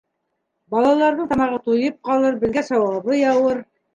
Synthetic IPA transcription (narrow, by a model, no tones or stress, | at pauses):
bɑlˠɑlˠɑɾðɤɴt̪ɑmɑʁɤt̪ujɤp̚qɑlˠɤɾbɘ̆ðɡæsɑwɑβɤjɑwɤɾ